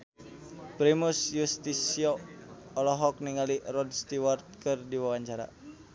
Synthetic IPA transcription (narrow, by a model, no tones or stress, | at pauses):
pɾimusjust̪isioːlɔɦɔk̚niŋalirɔdst̪iwɔrt̪̚kɨrdiwawaɲt͡ʃaɾa̰